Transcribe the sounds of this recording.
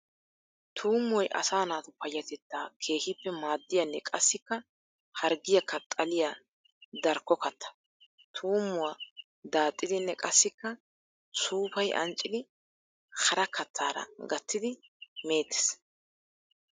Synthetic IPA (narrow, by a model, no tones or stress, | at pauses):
t̪ʰuːmːɔjʔɐ̰saːnaːt̪ɔpɐjːɐt̪ɛt̪ːakʰe̞ːhɪpːɛmaːd̪ːɪjɐnːɛkʼɐsːɪkːɐ | hɐɾɡɪjɐkːɐt̪ʼːɐlɪja | d̪ɐɾkːɔkɐt̪ʰːɐ̥ | t̪ʰuːmːʊwa | d̪aːt̪ʼːɪd̪ɪnːɛkʼɐsːɪkːɐ | suːpɐjʔɐ̰nt͡ʃʼːɪd̪ɪ | hɐɾɐkʰɐt̪ʰːaːɾɐ̰ɡɐt̪ːɪd̪ɪme̞ːt̪ːɛ̥s